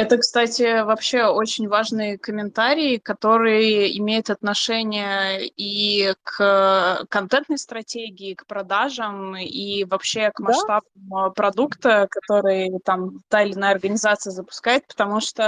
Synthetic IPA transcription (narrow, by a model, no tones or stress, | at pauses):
ɛt̪əkst̪atʲɪvɐpɕːe̞ot͡ɕɪnʲvaʐnɨjəkəmʲɪnt̪aɾʲɪːkɐt̪o̞ɾɨjəɪmʲejʊt̪ɐt̪nɐʂɛnʲɪjəikəkːɐnt̪ɛnt̪̚nəjst̪ɾɐtʲeɡʲɪːkpɾɐd̪aʐəmivɐpɕːe̞kmɐʂt̪abmpɾɐd̪ukt̪əkɐt̪o̞ɾɨjət̪amt̪aɪlʲɪnajəɐrɡənʲɪzat̪sɨjəzəpʊ̥skajɪt̪̚pə̥t̪ɐmuʂt̪o